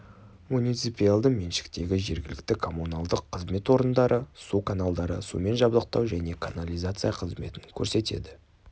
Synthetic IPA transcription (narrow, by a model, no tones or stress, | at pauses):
munijt̪sɨpialˠd̪əmenʃɪ̥kt̪e̞ɡʲɪʒe̞ɾɡʲɪlɪk̚t̪ɪkʰo̞munalˠd̪əqʰːəzme̞t̪wo̞ɾənd̪ɑɾʔəsukʰanalˠd̪ɑɾə̰sṵme̞nʒɑblˠəq̚t̪ɑ̰wʒæne̞kʰanalʲijzat̪sɨjaqʰəzme̞t̪ɪŋkʲʰɵɾse̞t̪e̞̰d̪ɪ